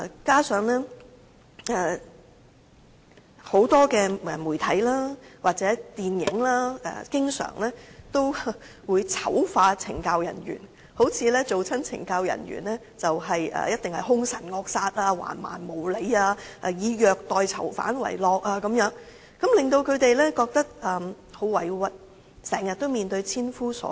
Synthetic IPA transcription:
a˧kaː˥sœː˨˧ŋlɛː˥ | ɛ˨ | ho˨˥wt̪ɔː˥kɛː˧ɛ˨muː˨˩jt̪ʰɐ˨˥jlaː˥waː˨t̚t͡sɛː˨˥t̪iː˨njɪ̰˨˥ŋlaː˥ɛ̰ː˨˧kɪ˥ŋsœ̰ː˨˩ŋlɛː˥t̪o˥w | wuː˨˧jt͡sʰɐ˨˥wfaː˧t͡sʰɪ̰˨˩ŋkaː˧wjɐ̰˨˩nɥy̰ː˨˩n | ho˨˥wt͡sʰiː˨˧lɛː˥t͡so˨wt͡sʰɐ˥nt͡sʰɪ̰˨˩ŋkaː˧wjɐ̰˨˩nɥy̰ː˨˩nlɛː˥ | t͡sɐ˨wɦɐ˨jʔɐ̰ː˨jɐ˥t̪̚ɪ˨ŋhɐ˨jɦʊ˥ŋsɐ˨˩nŋɔː˧k̚saː˧t̚aː˧wa̰ː˨˩nma̰ː˨˩nmo˨˩wle˨˧jaː˧ʔɐː˧jiː˨˧jœː˨˧k̚t̪ɔː˨jt͡sʰɐ̰˨˩wfa̰ː˨˥nwɐ̰˨˩jlɔː˧k̚aː˧kɐ˨˦mjœː˨˥ŋ | kɐ˨˥mlɪ˨ŋt̪o˧wkʰɵ˨˧ɥt̪e˨jlɛː˥kɔː˧k̚t̪ɐ˥k̚ʔɐː˨˩ | ho˨˧wwɐ˨˩jwɐ˨t̚ | sɛː˨˩ŋjɐ˨t̚t̪o˥wmiː˨nt̪ɵ˧ɥt͡sʰiː˥nfuː˥sɔ̰ː˨˥

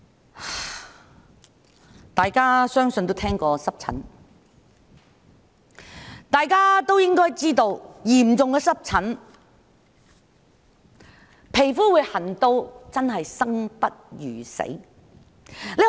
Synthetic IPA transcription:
t̪aː˨jkaː˥sœː˥ŋsɵ˧nt̪o˥t̪ʰɛː˥ŋkɔː˧sɐ˥p̚t͡sʰɐ̰˨˥n | t̪aː˨jkaː˥t̪o˥wjɪ˥ŋkɔː˥jt͡siː˥t̪o˧wjiː˨˩m̩t͡sʊ˨ŋkɛː˧sɐ˥p̚t͡sʰɐ˨˥n | pʰe˨˩jfuː˥wu˨˧jhɐ˨˩nt̪o˧wt͡sɐ˥nɦɐ˨jsɐ˥ŋpɐ˥t̚jyː˨˩sḛ˨˥ | le˨

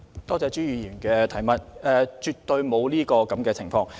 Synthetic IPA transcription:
t̪ɔː˥t͡sɛː˧t͡ʃyː˥jyː˨˧jyː˨˩nkɛː˧t̪ʰɐ˨˩jmɐ˨t̚ɛ˧t͡ʃy˨˧t̚t̪ɵ˧ɥmo˨˧wliː˥kɔː˧kɐ˨˥mkɛː˧t͡sʰɪ˨˩ŋfɔː˧ŋ

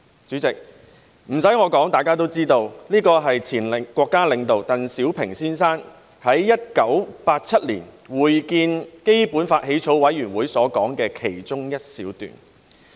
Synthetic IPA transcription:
t͡ʃyː˨˥t͡sɪ˨k̚ | m̩˨˩sɐ˨˥jŋɔː˨˧kɔː˨˥ŋt̪aː˨jkaː˥t̪̬o˥wt͡siː˥t̪o˧wniː˥kɔː˧ɦɐ˨jt͡sʰiː˨˩nlkʷɔː˧kːaː˥lɪ˨˧ŋt̪o˨wt̪ɐ˨nsiː˨˥wpʰɪ˨˩ŋsiː˥nsaː˥n | hɐ˨˥jːɐ˥t̚kɐ˨˥wpaː˧t̚t͡sʰɐ˥t̚liː˨˩nwuː˨jkiː˧nke˥jpuː˨˥nfaː˧t̚ɦe˨˥jt͡sʰo˨˥wwɐ˨˥jjyː˨˩nwuː˨˥jsɔː˨˥kɔː˨˥ŋkɛː˧kʰe˨˩jt͡sʊ˥ŋjɐ˥t̚siː˨˥wt̪y̰ː˨˩n

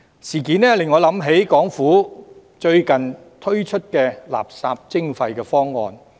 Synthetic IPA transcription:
siː˨˩kiː˨˥nɛː˥lɪ˨ŋːɔː˨˧lɐ˨˧˥mɦe˨˥jkɔː˨˥ŋfuː˨˥ | t͡ʃɵ˧ɥkɐ˨˩n | t̪ʰɵ˥ɥt͡ʃʰɵ˥t̚kɛː˧la̰ː˨˩p̚saː˧p̚t͡sɪ˥ŋfɐ˧jkɛː˧fɔː˥ŋːɔ̰ː˧n

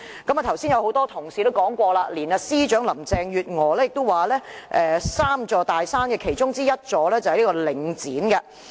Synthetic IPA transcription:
kɐ˨˥ma˨˧t̪ʰɐ˨˩wsiː˥njɐ˧who˨˥wt̪ɔː˥t̪ʰʊ˨˩ŋsiː˨t̪o˥wkɔː˨˥ŋkʷɔː˧laː˧liː˨˩nɐ˨˧siː˥t͡ʃœː˨˥ŋlɐ˨˩mt͡sɛː˨ŋjyː˨t̚ŋɔː˨˩lɛː˥jɪ˨k̚t̪o˥waː˨lɛː˥ʔɛː˨˧saː˥mt͡sɔː˧t̪aː˨˩jsaː˥nkɛː˧kʰe˨˩jt͡ʃʊ˥ŋt͡siː˥jɐ˥t̚t͡sɔː˨˧lɛː˥t͡sɐ˨hjliː˥kɔ˧lɪ˨ŋt͡siː˨˥nkɐ˧

